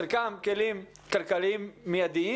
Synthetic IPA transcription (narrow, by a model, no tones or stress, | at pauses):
ɾkaːmkeliːm | kɐɾkɐliːmːiɐd̪i